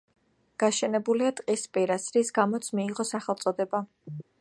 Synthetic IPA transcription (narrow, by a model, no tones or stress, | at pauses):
ɡ̥aʃɛnɛbuliat̪ʼqʼispʼiɾasɾisɡamɔt̪sʰmiːʁɔsaχɛlˠt̪sʼɔd̪ɛba